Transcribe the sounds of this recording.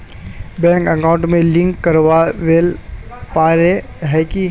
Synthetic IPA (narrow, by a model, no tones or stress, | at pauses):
bɛ̃ːŋkəkãʊ̃ɳʈmẽlɪ̃ŋkːəɾʋaʋelpaːɾe | ɦɛki